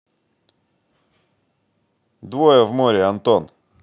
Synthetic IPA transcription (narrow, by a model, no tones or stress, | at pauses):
d̪vojəvmoɾʲɪɐnt̪on